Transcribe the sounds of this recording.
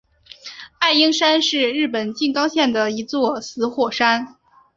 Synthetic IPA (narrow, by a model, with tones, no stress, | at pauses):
a˥˩ɪi˥ŋʂa˥nʂɻ̩˥˧ɻɻ̩˥˩pə˨˩nt͡ɕi˥˩ŋkɑ˥ʊɕjɛ˥˩nd̪ə˩i˧˥t͡swɔ˥˩sɹ̩˧˥xwɔ˥˩ʂa˥n